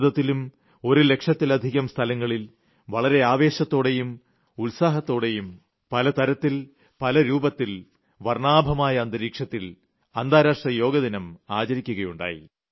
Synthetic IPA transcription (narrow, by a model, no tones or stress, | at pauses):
d̪ɐt̪ːilum | o̞ɾule̞kʂɐt̪ːilɐd̪ʱiɣɐmst̪ʰɐlɐŋːɐɭil | ʋɐɭɐɾe̞aːʋe̞ːɕɐt̪ːo̞ːɽe̞jum | ulsaːɦɐt̪ːo̞ːɽe̞jum | pɐlɐt̪ɐɾɐt̪ːil | pɐlɐɾuːbɐt̪ːil | ʋɐrɳaːbʱɐmaːjɐːnd̪ɐɾiːkʂɐt̪ːil | ɐnd̪aːɾaːʂʈrɐjo̞ːɡɐðinɐmaːt͡ɕɐɾikʲːuɣɐjuɳɖa̰ːjḭ